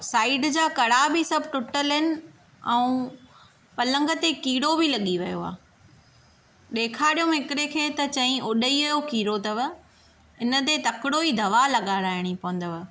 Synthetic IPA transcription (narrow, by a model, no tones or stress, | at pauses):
saːɪɖd͡ʑaːkɐɽabisɐbʱʈʊʈəlɦɪnɪ̆ | ɛ̃ũ | pɐlə̃ŋɡə̆t̪ekiːɽobilɐɠiʋɐjo̰a̰ː | ɗeːkʰaːɽijõɦɪkɾekʰeːt̪ɐt͡ɕɐ̃ɦĩʔʊɗəiʋɐjokiːɾot̪ɐʋə | ɪnə̆t̪̬et̪ɐkɪɽoid̪ʱɐʋalɐɠaːɾaːɦɪɽ̃ipɐʋə̃n̆d̪əʋə